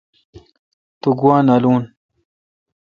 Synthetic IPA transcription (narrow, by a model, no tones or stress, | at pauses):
t̪uɡwaːnaluːn